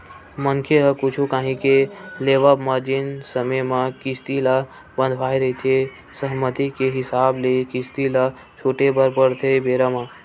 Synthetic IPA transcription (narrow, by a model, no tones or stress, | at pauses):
mənkʰeɦəkut͡ʃʰukaːɦĩkeleʋəbməd͡ʒinsəməjmakist̪ila | bə̃nd̪ʱʋaːjɾəɦit̪ʰe | səɦmət̪ikeɦɪsaːblekist̪ila | t͡ʃʰoːʈebəɾpəɾt̪ʰebeɾəma